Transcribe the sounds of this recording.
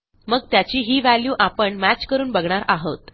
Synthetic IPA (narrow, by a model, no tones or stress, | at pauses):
məɡt̪jat͡ɕiːɦiːʋæljuːʔapəɳmæt͡ɕkəɾuːnbəɡɳaɾaɦət̪